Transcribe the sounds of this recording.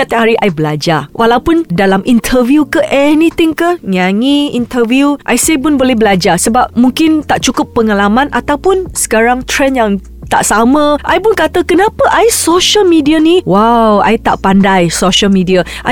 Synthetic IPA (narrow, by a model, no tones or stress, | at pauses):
at̪aɦaɾiʔajbəlad͡ʒawʔalawpʊndalamʔint̪ʰəviukəʔɛnit̪ɪŋkəɲaŋiint̪əviuʔajsep̬ʊnbolɛhbəlad͡ʒasəbap̚muŋkɪnt̪aʔt͡ʃukʊpːəŋalamãnʔat̪awpʊnsə̥kaɾaŋt̪ɾɛnjaŋ | t̪a̰ʔsamə̃ʔajpʊnkat̪əkənãpəʔajsoʃəlmidianiwawa̰jt̪a̰ʔpandajsoʃəlmĩdiaʔa̰